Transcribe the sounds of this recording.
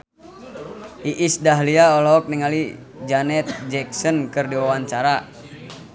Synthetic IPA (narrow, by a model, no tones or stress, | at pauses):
ʔiʔisdaɦliaɔlɔːk̚niŋali | d͡ʒanɛt̪̚d͡ʒɛk̚sɔnkɨrdiwawaɲt͡ʃaɾa